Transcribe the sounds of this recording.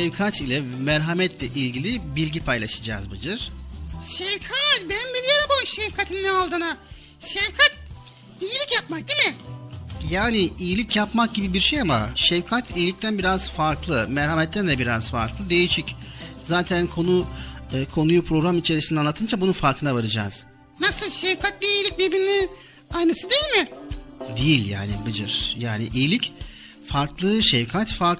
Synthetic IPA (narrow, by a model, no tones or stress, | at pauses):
ʃɛvkʰat̪ʰilʲɛmæɾɦamɛt̪ʰlʲɛʔilʲɟilʲibilʲɟipʰajlˠaʃɯd͡ʒa̰ːzbɯd͡ʒɯɾ̥ʃɛvkʰat̪bænnbilʲijoɾmpamaʃɛvkʰat̪ʰinːɛalˠd̪ɯna | ʃɛvkʰat̪̚ | ijilʲicjap̚mak̚d̪imɪ | jaːniijilʲicjapmak̚ɟibibiɾʃejama̰ʃɛvkʰat̪ʰijilʲic̚t̪ʰænbiɾaz̥faɾklˠɯmɛɾhamɛt̪ːænd̪ɛbiɾaz̥fa̰ɾklˠɯd̪e̞jiʃic | zaːt̪ʰænkʰo̞nukʰo̞nujupʰɾo̞ɡɾamit͡ʃʰe̞ɾisinɛanˠat̪ʰɯnd͡ʒabununfaɾkʰɯnavaɾɯd͡ʒa̰ːz̥ | nasɯlˠʃɛvkʰat̪lʲiijlʲic̚bebinnin | ajnɯsɯd̪ejilʲmɪd̪ejilʲja̰ːnḭbɯd͡ʒɯɾ̥jaːnḭʔijilʲic | faɾklˠɯʃɛvkʰat̪faɾ